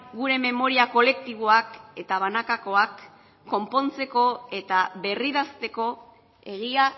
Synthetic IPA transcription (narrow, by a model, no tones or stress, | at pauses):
ɡuɾe̞me̞mo̞ɾiako̞le̞k̚t̪iβ̞o̞ake̞t̪aβ̞anakako̞akː | o̞mpo̞nt͡se̞ko̞e̞t̪aβe̞riðast̪e̞ko̞ | e̞ɣ̞ia